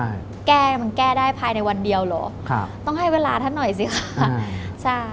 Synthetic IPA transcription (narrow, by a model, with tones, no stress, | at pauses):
a˥˩j | kɛː˥˩˧ma˧nkɛː˥˩daː˥˩jpʰaː˧jna˧jwa˧ndi˧əwlɔː˨˦kʰa˧t̪ɔ˥˩ŋɦa˥˩jweː˧laː˧t̪ʰa˥˩nːɔ˨˩js̬i˨˦xʰa˧˩˧t͡ɕʰa˥˩j